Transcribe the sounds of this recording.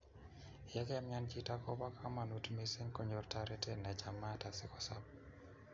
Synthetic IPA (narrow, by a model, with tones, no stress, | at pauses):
jɛ˦kɛ˦a˦mja˦nd͡ʒi˦ta˦kɔ˦ba˦kʰa˦ma˨nu˨tme˦se˦ŋko˨ɲo˨rtaɾe˦te˦nɛ˨d͡ʒa˨ma˦ta˨sɪ˦kɔ˨sa˦b̚